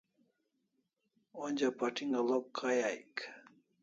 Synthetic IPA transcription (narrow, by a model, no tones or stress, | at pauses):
onʲd͡ʑapaʈiŋɡɐlokʰːajajk